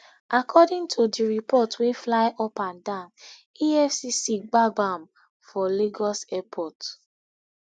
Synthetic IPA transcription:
akʰɔdĩŋtʰudiɹipɔtweflaɪʔɔpãndãn | iɛfsisiɡ͡baɡãm | fɔleɡɔsɛpʰɔt

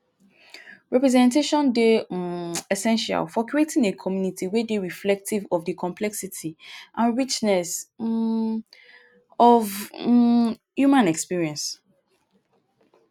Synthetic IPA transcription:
ɹɛpɹɛzɛ̃ntʰeʃɔ̃nde | ɛsɛ̃nʃa̰lfɔkʰɹietʰĩŋekʰɔmjũnitʰiwedeɹiflɛk̚tʰivɔvdɨkʰɔ̃mpʰlɛksitʰiʔãnɹit͡ʃnɛs | ɔv | jumãnɛkspiɹiɛ̃ns

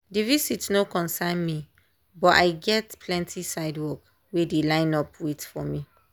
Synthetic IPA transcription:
divisitnokɔ̃nsãnmi | bɔta̰ɪɡɛtpʰlɛ̃ntʰisaɪdwɔk | wedelãɪ̃nɔpwitfɔmĩ

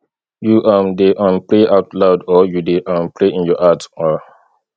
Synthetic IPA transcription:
juʔãmdeʔãnpɹeʔaʊtlaʊdɔjudeʔãmpɹeĩnjɔhatɔ

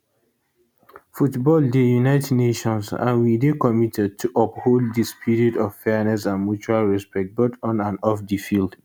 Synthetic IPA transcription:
futbɔldejunaɪtɛdneʃɔ̃nsã̰nwidekɔmitʰɛd̚tʰuʔɔpholddispʰiɹiɔdɔffɛnɛsãnmjut͡ʃualɹɛspɛk̚t̚botɔ̃nãnɔfdifild

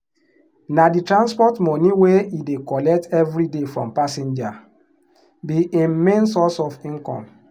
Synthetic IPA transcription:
naditɹãnspɔtmɔniweidekɔlɛk̚tɛvɾidefɹɔ̰̃mpasẽnd͡ʒa | biinmẽnsɔsɔfĩnkɔ̰̃m

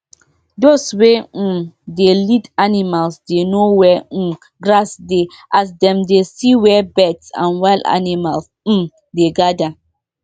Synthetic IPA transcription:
doswedelidanimalsdenowɛ | ɡɾasde | ʔasdɛ̃mdesiwɛbɛtsã̰nwaɪla̰nimals̩ | deɡada

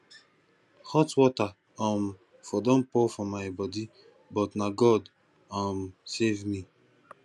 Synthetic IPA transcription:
hɔtwɔta | ãm | fɔdɔ̃npɔfɔmaɪbɔdi | bɔtnaɡɔd | ãmsevmĩ

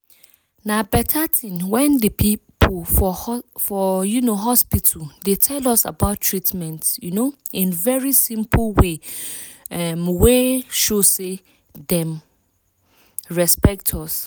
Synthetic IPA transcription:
nãbɛtʰatʰɪ̃nwɛ̃ndəpʰipʰlfɔfɔjunoɦɔspitʰl̩detʰɛlɔsa̰baʊtʰɹitmɛ̃ntjunoĩnvɛɹisĩmpʰlwe | ɛmweʃose | dɛ̃m | ɹɛspɛk̚tʰɔs

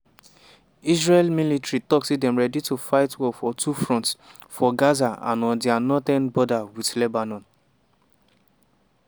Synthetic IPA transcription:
isɹelmilitɹitɔksidɛ̃mɹɛditufaɪtwɔfɔtʰufɹɔ̃ntsfɔɡazaã̰nɔ̃ndianɔtɛ̃nbɔdawidlebanɔ̃n

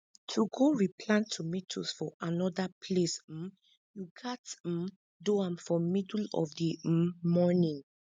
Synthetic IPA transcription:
tʰuɡoɹipʰlãntʰːumitʰusfɔʔanɔdapʰles̩ | juɡat̩ | doãmfɔmidlɔ̰vdimɔnĩŋ

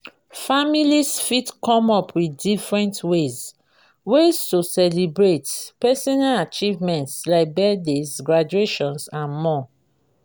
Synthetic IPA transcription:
familisfitkɔ̃mɔpʰwiθdifɹɛ̃ntwez | westusɛlibɹetpɛsɔnalat͡ʃivmɛ̃ntslaɪk̚bɛdesɡɹad͡ʒueʃɔ̃nsãnmɔ

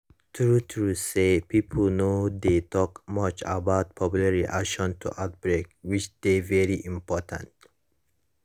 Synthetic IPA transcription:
t̪ʰɹut̪ʰɾusepʰipʰəlnod̪et̪ʰɔkmʌt͡ʃa̰baʊt̚pʰɔpjulaɹiʔakʃɔ̃ntʰṵʔaʊt̪̚bɹekwit͡ʃd̪̥evɛɹiʔĩmpɔtʰã̰nt

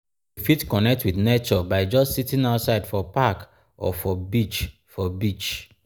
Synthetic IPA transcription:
ifitkɔnɛk̚twiθnet͡ʃɔbaɪd͡ʒɔstsitĩŋaʊtsaɪdfɔpak | ɔ̰fɔbit͡ʃ | fɔbit͡ʃ

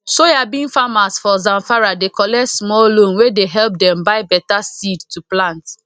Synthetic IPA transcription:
sojabĩnfamasfɔzãɱfaɹadekɔlɛtsmɔllõnwedeɦɛlp̚dɛ̃mbaɪbɛtasidtuplãnt

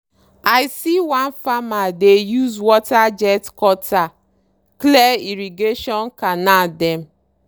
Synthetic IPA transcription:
aɪsiwanfamadejuzwɔtad͡ʒɛtkɔta | kleiɾiɡeʃɔnkanadɛm̩

